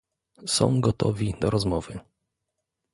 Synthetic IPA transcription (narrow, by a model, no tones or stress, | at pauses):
sɔ̰̃w̃ɡɔt̪ʰɔvʲid̪ɔɾɔzmɔvɘ